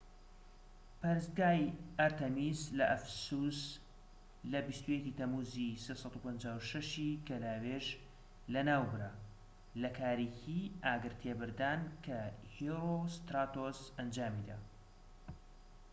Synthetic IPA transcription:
pɐɾɨsɡaːjʔaɾt̪ɐmizlɐʔɐfsus | lɐbist̪ujɛciːt̪ɐmuːzisesˤɑt̪upɐnd͡ʒaːwʃɐʃikɐlaːweʒ | lɐnaːwbɨɾa | lɐkʰaːɾiciʔaːɡɨɾt̪ʰebɨɾd̪aːnkʰɐhiɾost̪ɾaːt̪osɐnd͡ʒaːmid̪a̰ː

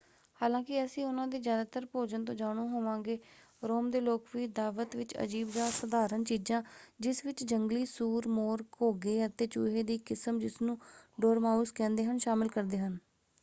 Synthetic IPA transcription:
haːlãːkɪəsĩːʊnãːd̪iːzjaːd̪aːt̪əɾpoːd͡ʒənt̪õːd͡ʒaːɽ̃õːɦoːʋãːŋɡeː | ɾoːmd̪eːloːkʋiːd̪aːʋət̪ʋɪt͡ʃə̰d͡ʒiːbd͡ʒaːsəd̪aːɾənt͡ʃiːd͡ʒãːd͡ʒɪsʋɪt͡ʃd͡ʒəŋɡliːsuːɾmoːɾkoːɡeːət̪eːt͡ʃṵːɦeːd̪iːkɪsəmd͡ʒɪsnũːɖoːɾmaːuːskɛ̃ːnd̪eːɦənʃaːmɪlkəɾd̪eːɦən

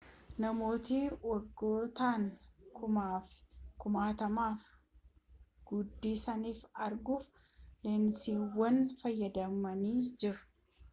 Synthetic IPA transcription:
nɐmo̞ːt̪iwɐɡːo̞ːt̪aːnː | kʊmaːt̪ɐmaːf | ɡ̥ʊd̪ːiːsɐniːfɐɾɡuːf | lɛnsiːwːɐnfɐjːɐd̪ɐmɐniːd͡ʒɪɾʊ̥

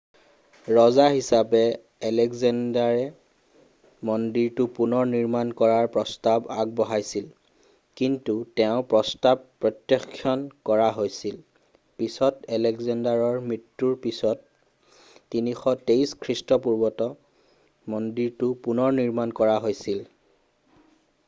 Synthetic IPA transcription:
ɹɔzaɦisapɛ | ɛlɛɡzɛndaɹɛ | mɔndiɹtʊpunɔɹniɹmankɔɹaɹpɹɔstabaɡ̚bɔɦajsil | kintutɛʊ̃pɹɔstabpːɹɔtjɔkʰːjɔnkɔɹaɦojsil | pisɔtɛlɛɡzɛndaɹɔɹmɹitːuɹpisɔtː | inixɔtejskʰɹistɔpuɹbɔtɔ | mɔndiɹtʊpunɔɹniɹmankɔɹaɦojsil

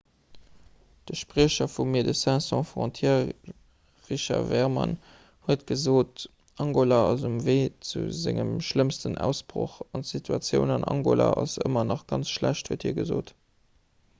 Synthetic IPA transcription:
d̥əʃpʁiəɕɐfumiːɐdəsɛ̃sɔ̃fʁɔ̃tʰjɛː | ʁiɕɑvɛʁmɑ̰n | huətɡ̥əzoːt | ʔɑŋɡolɑɑzumveːt͡sṵzɪŋəmʃləmstənʔæ̰ʊsb̥ʁo̰χɑntsitʰuɑt͡sjəʊnɑnʔɑ̰ŋɡolɑ̰ʔɑsə̰mɐnɑχɡ̥ɑnt͡sʃlæɕthuəthiːɐɡəzoːt

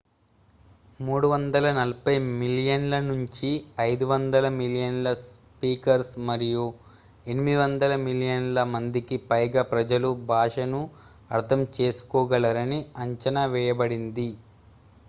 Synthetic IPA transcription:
muːɽuʋɐnd̪ɐlɐnɐlɐpɐjmiljɐnlɐnuɲt͡ʃiɐjd̪uʋɐnd̪ɐlɐmiljɐnlɐs | piːkɐɾsmɐɾiju | e̞nimid̪iʋɐnd̪ɐlɐmiljɐnlɐmɐnd̪ikipɐjɡaːpɾɐd͡ʒɐlubʱaːʂɐnu | ɐɾt̪ʰɐmt͡ʃe̞ːsu̥kɔːɡɐlɐɾɐniɐɲt͡ʃɐnaʋɛːjɐbɐɽind̪i

